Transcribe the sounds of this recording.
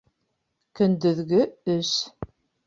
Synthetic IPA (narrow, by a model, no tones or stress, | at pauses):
kɵ̆nd̪ɵ̆ðɡɵɵʃ